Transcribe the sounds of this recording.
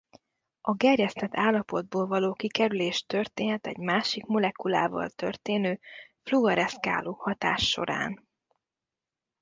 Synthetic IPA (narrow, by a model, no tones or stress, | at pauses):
ʔɒɡɛrjɛst̪ɛt̪ʰːaːlːɒpo̞d̪̚boːlvɒloːkikɛɾyleːʃt̪ørt̪eːnɛt̪ɛ̰ɟmaːʃikmo̞lɛkula̰ːvɒ̰lt̪ø̰rt̪eːnøːfluɡɒɾɛska̰ːloːhɒt̪aːʃːo̞̰ɾa̰ːn